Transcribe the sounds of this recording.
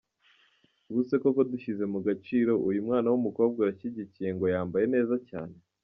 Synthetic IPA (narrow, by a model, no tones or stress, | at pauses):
ɡuse̞ko̞ko̞duçize̞muɡat͡ʃiːɾo̞ʔujumŋaːnawumuko̞ːb̚ɡajaçiɟicije̞ŋɡo̞jaːmbaje̞ne̞ːzaca̰ːne̞